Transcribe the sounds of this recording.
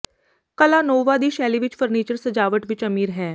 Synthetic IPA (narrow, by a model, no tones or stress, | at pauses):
kɐlanoːʋad̪iːʃɛːliʋɪt͡ʃfəɾniːt͡ʃəɾsɐd͡ʒaːʋəʈʋɪt͡ʃɐmiːɾɦɛː